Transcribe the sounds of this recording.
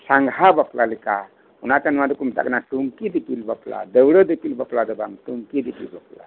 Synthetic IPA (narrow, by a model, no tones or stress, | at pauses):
saŋɡhabaplalika | unatanmad̪ukumda̰k̚naʈuŋkid̪ipilbapla̰d̪əwɽəd̪epilbaplad̪əbaŋtuŋkid̪ipḭlbapla̰